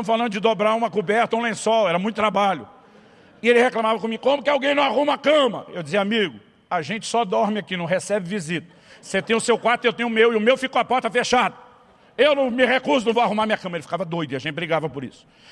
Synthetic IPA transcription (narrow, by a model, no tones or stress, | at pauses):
ɐ̃mʊsfalɐ̃nd̪ʊd͡ʒɪd̪obɾaũmɐkubɛɾt̪ɐũlẽsɔwɛɾɐmũj̃t̪ʊt̪ɾabaʎʊ̰ | ɪelɪheklɐ̃mavɐkõmiʊkõmʊkɪawɡẽj̃nɐ̃w̃ahũmakɐ̃mɐewd͡ʒɪziɐamiɡʊ | aʒẽnt͡ʃɪ̥sɔd̪ɔɾmɪakinɐ̃w̃hesɛbɪvizit̪ɐ̥ | set̪ẽj̃ʊsewkwaɾt̪ʊewt̪ẽj̃ʊmewɪʊmewfikoapɔɾt̪ɐfeʃad̪ɐ | ewnɐ̃w̃mɪhekuɾsʊnɐ̃w̃vowahũmaɾmĩɲɐkɐ̃mɐelɪfi̥kavɐd̪ojd̪ʊiaʒẽnt͡ʃɪbɾiɡavɐpʊɾḭsʊ̥